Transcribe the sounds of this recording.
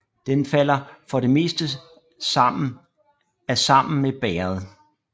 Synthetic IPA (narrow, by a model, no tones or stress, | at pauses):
d̥enfæl̰ɐfɒ̽ɾe̝me̝̰ːsd̥ə | æsɑ̈m̰n̩meb̥ɛːɐð̞̩ˠ